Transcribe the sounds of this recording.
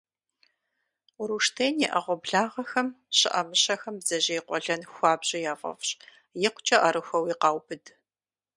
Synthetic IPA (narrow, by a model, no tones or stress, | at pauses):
ʊɾuʂtʰeːnjɛʔɐʁʷɔbɮaːʁɐxɐm | ɕɪ̰ʔɐmɨɕɐxɐmbzɐʑejqʷɔɮɐnxʷɑːbʑɪjaːfʼɐ̰fɕ | jɛqʷʊt͡ʃʼɐʔɐɾɨxʷɐwiːqɑːwbɨd